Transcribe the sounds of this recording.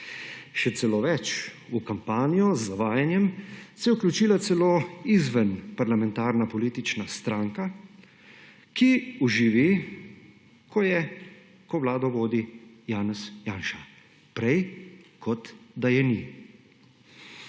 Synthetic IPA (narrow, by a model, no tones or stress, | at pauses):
ʃɛt̪sɛloːʋɛt͡ʃ | ukampaːnijɔzːaʋaːjanjɛmsɛjɛuklʲut͡ʃiːlat̪sɛloːizʋənpaɾlamɛ̃nt̪aːɾnapɔliːt̪it͡ʃnast̪ɾaːŋka | kiuʒiʋi | kʰɔjɛ | kɔʋlaːd̪ɔʋoːd̪ijaːnɛsjaːnʃa | pɾɛjkʰɔt̪d̪ajɛni